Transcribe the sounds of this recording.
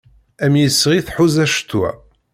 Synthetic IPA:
æmjəsʁiθħuzæʃt̪ːuæ̰

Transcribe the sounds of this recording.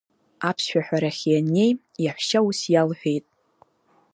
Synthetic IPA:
apʰsʃᶣaħʷᶣaɾaχʲejane̞j | jaħʷʃausjalħʷᶣejtʼ

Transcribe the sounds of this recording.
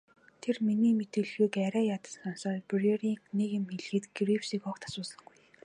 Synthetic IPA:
t̪ʰerminiːmet̪ĕɮxuːkæɾæːjat̪ə̥̆sɔnsɔːtpreriːknekĭmxeɮxɘ̆t̪ɡriwsiːkɔkt̪ʰḁsʊːsə̆ŋɡuj

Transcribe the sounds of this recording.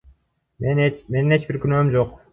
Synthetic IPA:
ent͡ʃmenine̞t͡ʃbiɾkʲynømd͡ʒo̞q

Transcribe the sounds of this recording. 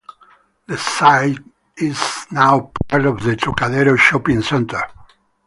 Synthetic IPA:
ðəsaɪt | ɪznaʊpʰaɹtɔvðətʰɔkaðɛɾoʃɔpɪ̃ŋsɛ̃ntə˞

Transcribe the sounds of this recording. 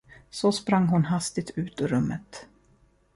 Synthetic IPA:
sɔspɾaŋːɦʊnɦast̪ɪt̪ʰʉ̟ːt̪ɪɾɵmːət̪

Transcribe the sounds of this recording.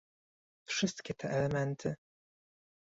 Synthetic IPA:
fʂɘst̪kʲɛt̪ʰɛʔɛlɛmɛnt̪ʰɘ

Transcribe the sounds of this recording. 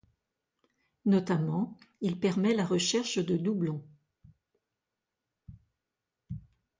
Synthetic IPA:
nɔt̪amɑ̃ilpɛʁmɛlaʁəʃɛʁʃd̪əd̪ublɔ̃

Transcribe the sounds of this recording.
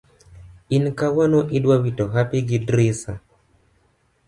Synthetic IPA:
inkawanoʔidwawitoɦapiɡidɾisa

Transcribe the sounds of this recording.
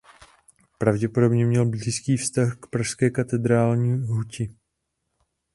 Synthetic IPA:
pɾavɟɛpo̞do̞bɲɛmɲɛlbliːskiːfst̪axkpɾaʃskɛːkat̪ɛd̪ɾaːlɲiːɦucɪ

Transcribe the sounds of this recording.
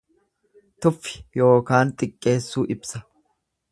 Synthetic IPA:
t̪ʊfːɪ̥jo̞ːkaːnt̪ʼɪkʼːe̞ːsːuːʔɪbsɐ

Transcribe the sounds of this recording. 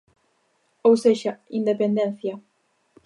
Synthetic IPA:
owseʒaind̪epend̪ɛnθja

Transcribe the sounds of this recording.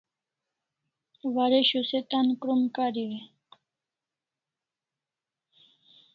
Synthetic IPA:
waɾeɕuset̪ankɾumkaɾiwi

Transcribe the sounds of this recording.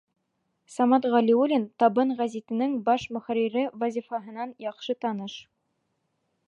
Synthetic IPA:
sɑmɑt̪ʁɑlʲiulʲint̪ɑbɤnʁæzit̪ɘ̆nɘŋbɑʃmɵ̆χæɾiɾɘvɐzʲifɑɦɤ̆nɑnjɑqʃɤt̪ɑnɤʃ

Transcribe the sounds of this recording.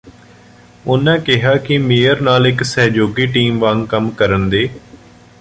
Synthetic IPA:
ʊnãːkɪɦaːkɪmeːəɾnaːlɪksɛːd͡ʒoːɡiːʈiːmʋãŋɡkəmkəɾənd̪eː

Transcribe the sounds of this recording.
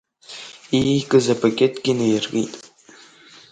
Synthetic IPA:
ikʼɨzapʰakʲʼetʼɡʲɪnejrɣḭtʼ

